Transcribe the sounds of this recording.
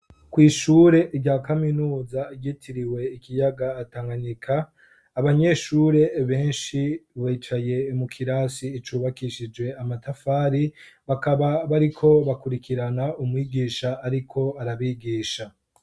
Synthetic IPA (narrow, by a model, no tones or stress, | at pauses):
kwiːʃuːɾe̞ʔɟaːkaminuːzaɡitʰiɾiwe̞ikijaɡaːtaːŋɡaɲikʰaː | βaɲe̞ʃuːɾe̞βe̞ːnʃiβiːt͡ʃaje̞mukʰiɾasiːt͡ʃuːβakiʃid͡ʒɡwe̞amatafaːɾiβakaβaβaɾikʰo̞βakuɾikiɾanaumwiːɡiːʃaːɾikʰo̞aɾaβiːɡiːʃa